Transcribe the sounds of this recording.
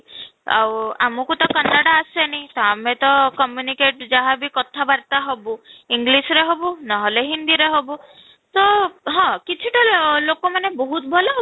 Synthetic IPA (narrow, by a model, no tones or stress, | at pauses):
a̰wamɔkut̪ɔkanːaɽaːsenit̪ɔamet̪ɔkɔmjunikeʈd͡ʒaɦabikɔt̪ʰabaɾt̪aɦɔbuiŋɡlisɾeɦobunɔɦɔleɦind̪iɾeɦobu | t̪ɔɦɔ̃kit͡ʃʰiʈalokɔmanebɔɦut̪ɔbʱɔlɔɦ